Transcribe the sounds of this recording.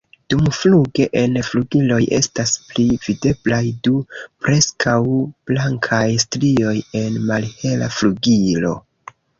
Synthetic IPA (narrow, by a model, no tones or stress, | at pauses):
d̥umfluɡe̞ʔe̞nfluɡilo̞jʔe̞̰stasplivide̞blajdupɾe̞skʰawb̥laŋkʰajstɾio̞je̞nmalhe̞la̰fluɡilo̞̰